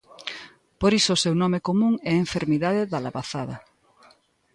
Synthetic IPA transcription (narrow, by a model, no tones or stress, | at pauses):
poɾisʊːsewnɔmekomũŋɛeɱfeɾmiðað̞ɪðalaβaθaðɐ